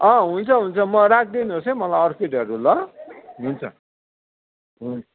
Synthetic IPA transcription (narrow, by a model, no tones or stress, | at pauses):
ʌ̃ɦunt͡sʰʌɦunt͡sʰʌmʌɾak̚ʰd̪inuɦosʌjmʌlajʌrkeɖʌɾulʌɦunt͡sʰʌ | ɦunʌ